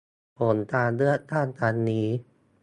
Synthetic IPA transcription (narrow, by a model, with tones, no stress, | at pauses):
pʰo˩˦nt̪aː˧nlɯ˥˩ət̪ʰaː˥˩nt̪aː˧nːiː˦˥